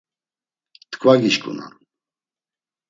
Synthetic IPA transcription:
t̪ʰkʰvaɡiʃkʼṵna̰n

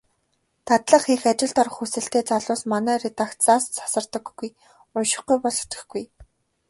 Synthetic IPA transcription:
t̪ʰat̪ɮə̆χixat͡ɕɪ̆ɮt̪ɔɾ̆χusɘ̆ɬt̪eːt͡saɮʊːsmanæːret̪akt̪t͡saːst͡sḁsə̆rt̪ə̆ɡɡuj | ʊnʃɪ̥̆χɡujpɔɮ̆ʰt̪ɘ̆xɡuj

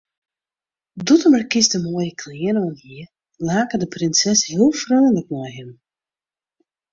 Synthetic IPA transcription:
dutəmərkɪsdəmoəjəkʰliənɔnhiə | laːkədəprɪnsɛshiəlˠfrøːnlək̚nɔjɦɪm

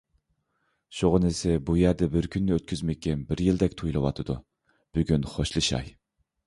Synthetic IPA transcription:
ʃoʁənɪsɪbujæɾd̪ɛbɪɾkʲʰynːɪøt̪̚kʲʰyzmɛɛnbɪɾjild̪ɛkʲt̪ʰujlˠɨwɑ̰t̪ʰɨd̪u | b̥yɡʲynχoʃlˠɨʃɑ̰j

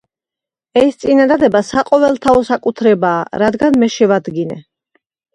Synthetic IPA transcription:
ɛst̪sʼinad̪ad̪ɛbasaqʼɔvɛlˠt̪ʰaɔsakʼut̪ʰɾɛbaːɾad̪ɡanmɛʃɛvad̪ɡinɛ̰

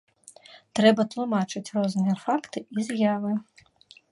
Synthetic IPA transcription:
t̪ɾɛbɐt̪lˠumat͡ʂɨt͡sʲrɔznɨjɛfakt̪ɨizjavɨ

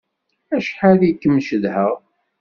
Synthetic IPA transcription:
æʃħalikːəmːʃəðhəʁ

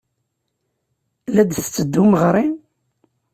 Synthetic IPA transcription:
læd̪θə̥t͡sːəd̪ːuməʁɾˤi

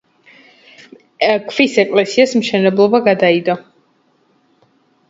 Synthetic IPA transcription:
kʰvisɛkʼlɛsiasmʃɛnɛblˠɔbaɡad̪aid̪ɔ

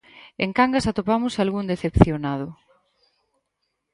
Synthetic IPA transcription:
ḛŋkaŋɡasat̪opamʊsalɣund̪eθepθjonað̞ʊ

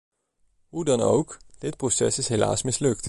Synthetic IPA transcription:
ɦudɑno̰wkd̥ɪt̚prosɛ̰sɪsɦela̰ːsmɪslɵk̚t

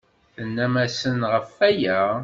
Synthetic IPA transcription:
θənːæmæsənʁəfːæjæ

